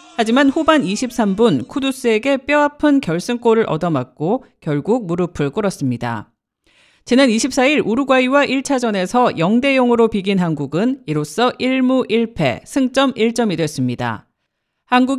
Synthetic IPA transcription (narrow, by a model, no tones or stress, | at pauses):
had͡ʑimanɸubaniɕʰip̚s͈ambunkʰudus͈ɯe̞ɡe̞p͈jʌapʰɯnkjʌɭs͈ɯŋk͈oɾɯɾʔʌdʌmak̚k͈okjʌɭɡuk̚muɾɯpʰɯɭk͈oɾʌs͈ɯmɲida̰ | t͡ɕinaniɕʰip̚s͈aiɾʔuɾuɡwaiwaʔiɭt͡ɕʰad͡ʑʌne̞sʰʌjʌŋde̞joŋɯɾopiɡinɦanɡuɡɯniɾos͈ʌʔiɭmuʔiɭpʰe̞̰sʰɯŋt͡ɕ͈ʌmiɭt͡ɕ͈ʌmidwes͈ɯmɲida̰ | hanɡuɡ